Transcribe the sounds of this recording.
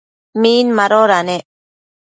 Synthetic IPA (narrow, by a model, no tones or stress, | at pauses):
miːnmaɾoɾane